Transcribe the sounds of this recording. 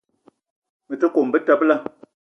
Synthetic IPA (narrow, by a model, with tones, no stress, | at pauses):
mə˨tə˦ko˨mbə˦ta˦˨pla˦